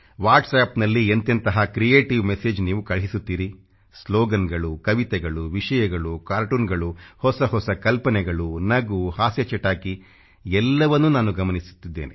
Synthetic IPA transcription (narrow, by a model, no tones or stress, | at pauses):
ʋaːɾʈsaːpnɐlːient̪ɐnt̪ɐɦɐkɾijeːʈiʋmeseːd͡ʒniːʋukɐɭɦisut̪ːiːɾi | sloːɡɐnɡɐɭukɐʋit̪ɛɡɐɭuʋiʂɐjɐɡɐɭukaːɾʈuːnɡɐɭuhɔsɐɦɔsɐkɐlpɐnɛɡɐɭunɐɡuhaːsjɐt͡ʃɐʈːaːki | ɛlːɐʋɐnːunaːnuɡɐmɐnisu̥t̪ːid̪ːḛːne